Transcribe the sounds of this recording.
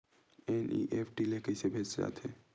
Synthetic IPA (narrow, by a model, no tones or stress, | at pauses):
enḭʔeːpʰʈilekəɪsebʱeːt͡ʃd͡ʒa̰ːt̪ʰeː